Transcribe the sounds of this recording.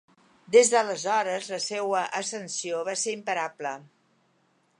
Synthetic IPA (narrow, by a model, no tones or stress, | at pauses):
d̪ezðələzɔɾəzləsewəʔəsənsioβaseɾimpəɾablə